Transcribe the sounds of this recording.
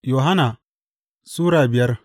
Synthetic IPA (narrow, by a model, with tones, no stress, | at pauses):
joː˨ɦa˦naː˨ | suː˦ɾaː˨bɪ˨jɐ˦r